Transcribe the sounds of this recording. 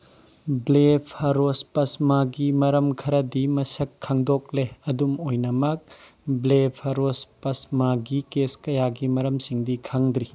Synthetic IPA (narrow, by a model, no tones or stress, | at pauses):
blepʰɐɾospɐsmaɡimɐɾɐmkʰɐɾɐdimɐsɐkʰːaŋdok̚leɐdumojnɐmɐk̚ | blepʰɐɾospɐsmaɡikeskɐjaɡimɐɾɐmsiŋdikʰaŋd̪ɾi